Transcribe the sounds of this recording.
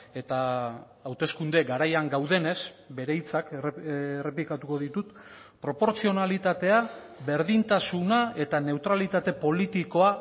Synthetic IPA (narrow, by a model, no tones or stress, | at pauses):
e̞t̪aː | wt̪e̞skund̪e̞ɡaɾajaŋɡawðe̞ne̞s | be̞ɾe̞jt͡sak | re̞plikat̪uko̞ðit̪ut̪ | pɾo̞po̞ɾt͡sio̞nalit̪at̪e̞a | βe̞ɾðint̪asunae̞t̪ane̞wt̪ɾalit̪at̪e̞po̞lit̪iko̞a